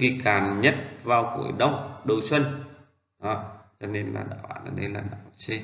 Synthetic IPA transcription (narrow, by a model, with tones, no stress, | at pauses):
i˧kaː˨˩nɲə˦˥t̚vaː˨˩wkṵ˧˩əjɗə˧˨wŋ͡mɗə˨˩wswə˧n | ɗɔ˨˦t͡ɕɔ˧ne˧nla̰ː˨˩ɗa̰ː˧˩wɓa̰ː˧˩˨nʔə̰˧˩ɗə˧jlaː˨˩ɗaː˧˨˩t͡ɕe˧